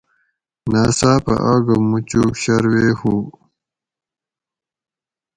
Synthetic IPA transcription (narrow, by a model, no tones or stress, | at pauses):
naːsaːpɐ̰ʔaːɡɐmut͡ɕuɕɐɾweːhu